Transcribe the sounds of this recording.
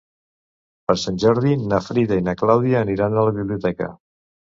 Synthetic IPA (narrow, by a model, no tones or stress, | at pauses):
pəɾsanʲʒɔɾð̞inafɾiðəinaklawðiəːniɾanələβiβliut̪ɛkə̰